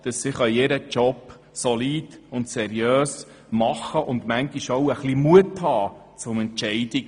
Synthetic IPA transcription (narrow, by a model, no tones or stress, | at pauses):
d̥əssɪχœjeɾət͡ʃɔp | sɔliːd̥ʊntsɛɾjøːs | mɑχəʔʊnd̪mæŋɡiʃowəχlimuəthɑːt͡sʊmɛnt͡ʃɛɪd̥i